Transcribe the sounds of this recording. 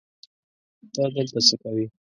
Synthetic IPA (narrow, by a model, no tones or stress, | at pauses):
t̪ad̪əlt̪asəkawi